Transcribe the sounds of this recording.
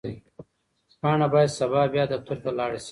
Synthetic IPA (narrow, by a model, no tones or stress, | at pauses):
pɑːɳabaːjad̪sɐβɑːbjaːd̪ət̪ʰuɾt̪alaːɽisi